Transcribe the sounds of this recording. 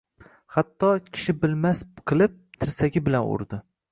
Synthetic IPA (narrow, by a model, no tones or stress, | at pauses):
hat̪ʰːɒkʲʰɪ̥ʃɪbɪlmasqʰɨlˠɪp̚t̪ʰɪɾsaɡʲɪbɪlanʊ̰ɾd̪ɪ